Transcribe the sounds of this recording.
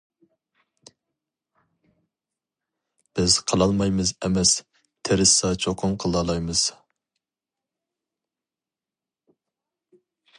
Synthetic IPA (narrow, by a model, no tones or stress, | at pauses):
b̥ɪz̥qʰəlˠɑlˠmɑjmɨzɛmɛs | t̪ʰeɾɪsɑt͡ʃʰoqʰʊmqʰəlˠɑlˠɑjmɨz̥